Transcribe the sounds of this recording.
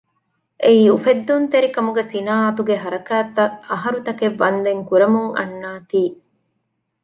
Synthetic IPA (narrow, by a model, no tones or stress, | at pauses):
ʔeiːufed̪ːunt̪eɾikɐmuɡesinaːɐt̪uɡeɦɐɾɐkæːt̪ːɐɐɦɐɾut̪ɐkeʋːɐnd̪eŋkuɾɐmuŋɐ̰nːaːt̪iː